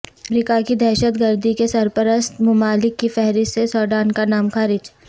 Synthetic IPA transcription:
ɾɪkakid̪ɛːʃət̪ɡəɾd̪ikesɐɾpəɾəst̪mʊmaːlɪkːifɛɦɾɪssesɔːɖaːnkanaːmxaːɾɪd͡ʒ

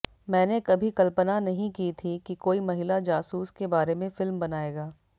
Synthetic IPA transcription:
mɛ̃ːnekɐbʱikɐlpənanɐɦĩkiːt̪ʰikikoːimɐɦɪlad͡ʒaːsuːskebaːɾemẽfɪlmbɐnaːeːɡaː

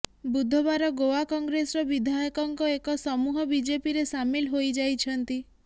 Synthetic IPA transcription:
bud̪ʱɔβaɾɔɡowakɔŋɡɾesɔɾɔbid̪ʱajɔkɔŋkɔekɔsɔmuɦɔbid͡ʒepiɾesamilɦojd͡ʒajt͡ʃʰɔnt̪i

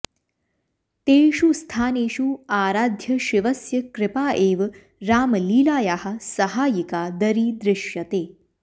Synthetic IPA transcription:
t̪eːɕust̪ʰaːneːɕuːaːɾaːd̪ʱjɐɕiʋɐsjɐkɾɪpaːʔeːʋ | ɾaːmliːlaːjahasɐɦaːjikaːd̪əɾiːd̪ɾɪɕjɐt̪eː

